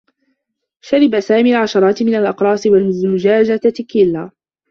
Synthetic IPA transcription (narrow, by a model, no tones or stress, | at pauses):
ʃaɾɪbasaːmiːalʕaʃɑɾˤɑːt̪mɪnalʔɑqɾˤɑːsɪwalmʊzʊd͡ʒaːd͡ʒat̪kːɪlːa